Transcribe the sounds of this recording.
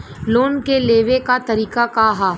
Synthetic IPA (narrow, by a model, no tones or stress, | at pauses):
loːnkeleːʋekat̪ɐɾiːkakaɦaː